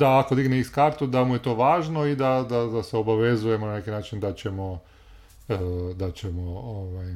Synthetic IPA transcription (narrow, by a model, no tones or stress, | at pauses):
d̪aːko̞d̪iɡneiskaɾt̪ud̪amuje̞t̪o̞ːʋaːʒno̞id̪ad̪ad̪aseo̞baʋe̞zuje̞monane̞kinaːt͡ʃind̪at͡ɕemo | d̪at͡ɕemooʋaj